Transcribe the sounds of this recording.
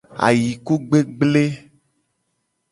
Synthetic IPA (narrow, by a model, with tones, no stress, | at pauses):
a̰˨ji˨ku˦ɡ͡be˦ɡ͡ble˦